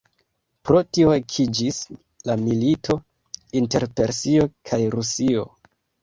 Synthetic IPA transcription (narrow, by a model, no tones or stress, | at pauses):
pɾo̞tio̞ekʰid͡ʒis | lamilitʰo̞ | inte̞ɾpe̞ɾsio̞kʰajɾusio̞